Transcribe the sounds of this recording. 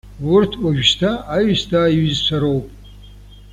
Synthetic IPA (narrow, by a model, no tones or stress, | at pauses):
wʊrtʰkʷʼaʒᶣstʰaaɥstʰaːiɥzt͡sʷʰaɾowpʼ